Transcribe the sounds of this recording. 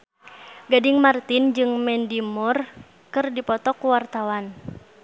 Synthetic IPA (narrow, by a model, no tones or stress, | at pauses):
ɡadɪŋmart̪ind͡ʒɨŋmɛndimɔr | kɨrdipɔt̪ɔkuwart̪awan